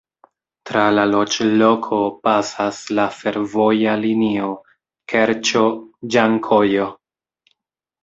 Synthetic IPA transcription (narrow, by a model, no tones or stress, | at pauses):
tɾalalo̞t͡ʃlo̞kʰo̞pasaslafe̞ɾvo̞jalinio̞ | kʰeɾt͡ʃod͡ʒaŋkʰo̞jo̞